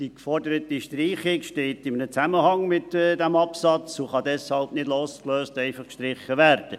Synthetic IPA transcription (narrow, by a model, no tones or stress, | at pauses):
d̥ikfɔrdəɾətiʃtriːχɪkʃteːtɪmənət͡sæməhɑŋmɪtːdæmɑpsɑt͡suχɑdɛshɑlbnɪdloːskløːstɛɪfɑχkʃtɾɪχːəʋæːɾd̥ə